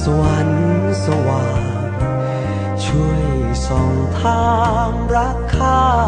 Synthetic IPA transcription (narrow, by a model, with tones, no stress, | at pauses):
sə˧wa˨˧˦n | sə˧wa˨˧˩ | n | t͡ɕʰu˧˩əjj | sɔ˨˧˩ŋt̪ʰaː˧˥ | mɾa˦˥kʰːaː˧